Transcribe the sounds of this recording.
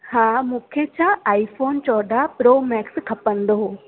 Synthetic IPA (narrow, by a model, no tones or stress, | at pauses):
hãmũkʰet͡ɕʰãaːifʰoːnt͡ʃɔːɖʱapɾoːmɛːkskʰɐpənd̪oɦo